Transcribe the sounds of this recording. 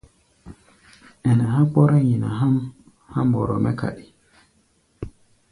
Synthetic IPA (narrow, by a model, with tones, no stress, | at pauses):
ɛ˨nɛ˨ha˦k͡pɔ˦ɾa˦ɲi˨na̰˨ɦa˦m | ha˦mbɔ˨ɾɔ˨mɛ˦ka̰˨ɗi̥˨